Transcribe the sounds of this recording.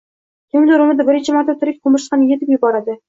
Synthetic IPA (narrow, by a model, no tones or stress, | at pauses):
k̪ʰʲɪmd̪oɾɪmɪzd̪abɪɾɪnt͡ʃʰɪmaɾt̪ʰːat̪ʰʊɾɪk̚ʲqʰʊmɪʃqɑnjet̪ʰɪpjʊbɒɾad̪ɪ